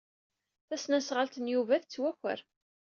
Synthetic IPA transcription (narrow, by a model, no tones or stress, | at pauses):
θæsnæsʁəlt̪ənjuvæθt͡sːwæçʷə̰ɾ